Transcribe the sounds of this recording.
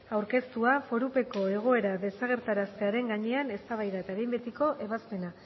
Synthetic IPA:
awɾke̞st̪uafo̞ɾupe̞ko̞e̞ɣ̞o̞e̞ɾaðe̞saɣ̞e̞ɾt̪aɾast̪e̞aɾe̞ŋɡaɲe̞ane̞st̪aβ̞ajðaet̪aeɾejmbet̪iko̞ʔe̞βaspe̞na

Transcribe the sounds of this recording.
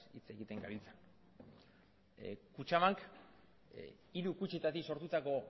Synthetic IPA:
ḭt͡se̞ɣit̪e̞ŋɡaβilt͡san | kut͡ʃamaŋk | iɾukut͡ʃit̪at̪iso̞ɾt̪ut̪ako̞

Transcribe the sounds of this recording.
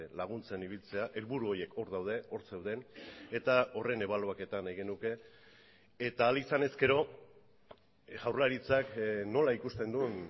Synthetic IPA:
laɣ̞unt͡se̞niβ̞ilt͡se̞aʔe̞lβuɾuo̞je̞kʰo̞ɾðawð̞e̞o̞ɾt͡sewðe̞ne̞t̪ao̞re̞ne̞β̞alo̞ake̞t̪anajɣe̞nuke̞ː | t̪aːlisane̞ske̞ɾo̞ | ɣawrlaɾit͡sakno̞laikust̪e̞nd̪un

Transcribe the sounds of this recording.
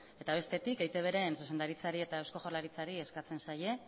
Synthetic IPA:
e̞t̪aβ̞e̞st̪e̞t̪ikejt̪e̞β̞e̞ɾe̞nsuse̞nd̪aɾit͡saɾie̞t̪aewsko̞xolaɾit͡saɾie̞skat͡se̞nsaje̞

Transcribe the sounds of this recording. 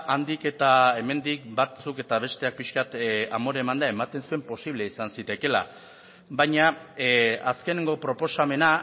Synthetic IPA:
ʔand̪ike̞t̪ae̞me̞nd̪ikbat͡suke̞t̪aβ̞e̞st̪e̞ak̚piʃkat̪amo̞ɾe̞mand̪ae̞mat̪e̞nsue̞mpo̞siβle̞isansit̪e̞ke̞la̰ | βajɲa | aske̞ne̞ŋɡo̞pɾo̞po̞same̞na

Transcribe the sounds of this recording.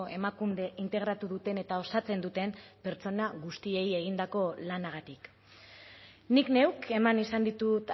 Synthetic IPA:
e̞makund̪e̞ʔint̪e̞ɣ̞ɾat̪uðut̪e̞ne̞t̪ao̞sat͡se̞nd̪ut̪e̞mpe̞ɾt͡so̞naɣust̪ie̞je̞ɣ̞ind̪ako̞lanaɣ̞at̪ik | nikne̞wke̞manisand̪it̪ut̪

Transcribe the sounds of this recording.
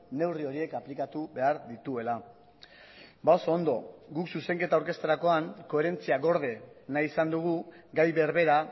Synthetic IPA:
ne̞wrio̞ɾie̞kaplikat̪uβe̞aɾðit̪ue̞la | baosoːnd̪o̞̰ɡuksuse̞ŋke̞t̪awɾke̞st̪eɾako̞aŋko̞e̞ɾe̞nt͡siaɣo̞ɾð̞e̞najisand̪uɣ̞uɡajβe̞ɾβe̞ɾa

